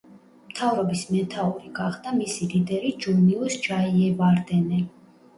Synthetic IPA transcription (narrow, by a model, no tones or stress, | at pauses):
mt̪ʰavɾɔbismɛt̪ʰauɾiɡaχd̪amisilid̪ɛɾid͡ʒuɾniusd͡ʒaiɛvaɾd̪ɛnɛ